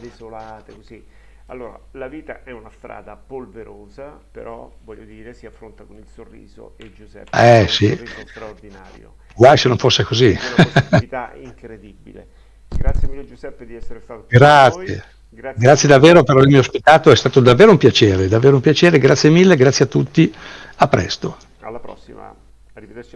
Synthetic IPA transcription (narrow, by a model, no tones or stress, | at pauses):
d̪ezolaːt̪ekoz̥i | a̰lːoːɾa̰laviːt̪aʔɛunast̪ɾa̰ːd̪apolveɾoːzapḛɾɔvɔʎːod̪iːɾesiafːɾont̪akonilsorːḭːzo̰ed͡ʒuzɛ̰ɛsisɾard̪inaːɾjo̰ | ɡwajsenoɱfosːekozi | t̪aḭŋkɾed̪ibḭlḛ | ɡɾat̪sjemilːed͡ʒuzɛpːed̪iɛsːeɾsaɡɾat̪ssjḛ | ɡɾat̪ːjed̪avːeːɾopeɾaveɾmiospit̪aːt̪oɛst̪aːt̪od̪avːeːɾoumpjat͡ʃeːɾed̪avːeːɾoumpjat͡ʃeːɾeɡɾat̪sːjemilːeɡɾat̪sjeat̪ːut̪ːiapːɾɛ̰st̪o | laɾɔsːia̰